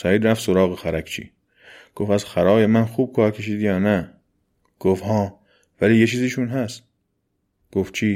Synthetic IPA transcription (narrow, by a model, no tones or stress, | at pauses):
sæiːd̪ɾæft̪soɾɒːɣexæɾækʰt͡ʃʰḭː | ɡ̥ofæzxæɾɒːjemænxuːb̥̚kʰɒːɾkʰe̞ʃiːd̪jɒːnæ | ɡ̥ofhɒː | væliːjet͡ʃʰiːziːʃunɦæst̪ | ɡ̥oft͡ʃʰiː